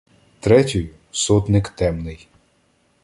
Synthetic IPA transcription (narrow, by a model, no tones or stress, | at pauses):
t̪ɾɛtʲʊjʊ | sɔt̪nɪkt̪ɛmnɪj